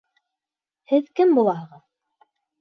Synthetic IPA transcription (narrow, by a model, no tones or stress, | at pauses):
hɘðkɘmbulˠɑhɤʁɤð